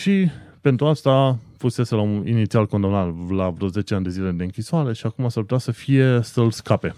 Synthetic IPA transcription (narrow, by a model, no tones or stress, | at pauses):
ʃipe̞nt̪ɾuast̪afuse̞se̞launḭnit̪sialko̞nd̪amnat̪lavɾo̞ze̞t͡ʃe̞anʲd̪e̞zile̞d̪eɨŋkʲisoaɾe̞ʃiakumasarput̪asəfije̞səlskape̞